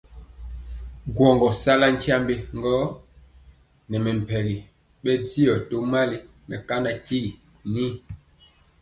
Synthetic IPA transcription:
ɡwɔ˨ŋɡɔ˨sa˦la˦ŋ˦kʰja˦mbe˦ŋ˦ɡɔ˦ | nɛ˨mɛ˨m˨pɛ˨ɣi˨ | ɓɛ˦di˦ɔ˨to˦ma˦li˦ | mɛ˨ka˦na˦ki˦i˨ | ni˦

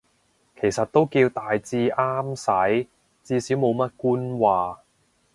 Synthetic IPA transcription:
kʰe˨˩jsɐ˨t̚t̪o˥wkiː˧wt̪aː˨jt͡siː˧ʔaː˥msɐ˨˥j | t͡siː˧siː˨˥wmo˨˧wmɐ˥t̚kuː˥nwaː˨

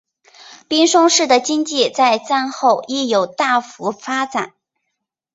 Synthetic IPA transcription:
pi˥nʂʊ˥ŋʂɻ̩˥˩d̪ə˩t͡ɕi˥ŋt͡ɕi˥˧t͡sa˥˧ɪt͡sa˥˧nxo˥˧ʊi˥˩jo˨˩ʊt̪a˥˩fu˧˥fa˥t͡sa˨˩˦n

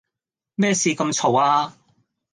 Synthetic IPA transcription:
mɛː˥˩siː˨˧kɐ˧mt͡ʃʰo˨˩waː˧

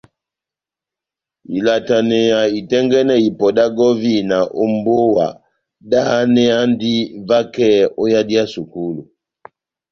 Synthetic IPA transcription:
i˨la˨ta˨nɛ˨ja˨i˨tɛ˦ŋɡɛ˦nɛ˦i˨pɔ˨da˦ɡɔ˦vi˦na˨ʔɔ˦˨mbo˦wa̰˨ | da˦ha˦nɛ˦a˦ndi˦va˦kɛ˦ɔ˦ja˦di˦a˦su˨ku˦lu˨

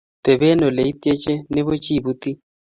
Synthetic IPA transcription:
tɛ˨bɛ˦nɔ˨le˨i˦te˦t͡ʃʼɛ˦nɪ˦βo˦t͡ʃʼi˦bu˦ti˦

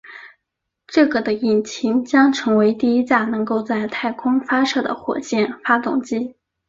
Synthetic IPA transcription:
ʈ͡ʂɤ˥˩ɡə˩d̪ə˩i˨˩nt͡ɕʰi˧˥ŋt͡ɕjɑ˥ŋʈ͡ʂʰɤ˧˥ŋwe˧˥ɪt̪i˥˩˧i˥t͡ɕja˥˩nɤ˧˥ŋko˥˧ʊt͡sa˥˧ɪt̪ʰa˥˩ɪkʰʊ˥ŋfa˥ʂɤ˥˩d̪ə̰˩xwɔ̰˨˩t͡ɕjɛ˥˩nfa˥t̪ʊ̰˥˩ŋt͡ɕi˥˩

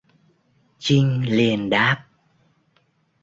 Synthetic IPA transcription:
t͡ɕi˧ŋ̟li˨˩ənɗaː˦˥p̚

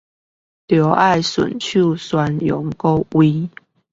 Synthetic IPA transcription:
t̪jɔ˧˦ʔa˥˨ɪswə̰˨˩nt͡ɕʰu˥˨swa˧˦njɔ˨˦ŋko˦ʊwi˦

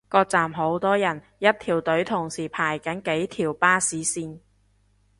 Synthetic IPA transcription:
kɔː˧k̚t͡saː˨mɦo˨˥wt̪ɔː˥jɐ˨˩n | jɐ˥t̚t̪ʰiː˨˩wt̪ɵ˨˥ɥt̪ʰʊ˨˩ŋsiː˨˩pʰaː˨˩jkɐ˨˥nke˨˥jt̪ʰiː˨˩wpaː˥siː˨˥siː˧n

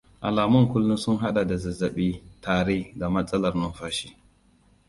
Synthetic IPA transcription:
ʔa˨laː˨mʊ˦ŋkʷʊ˦lːʊ˦nsʊ˦ŋɦa˦ɗa˨da˨zɐ˨zɐ˨ɓiː˦tʰaː˨ɾeː˦da˨mɐ˦sʼɐ˦lɐ˨rnɐ˦mɸaː˦ʃi̥˦

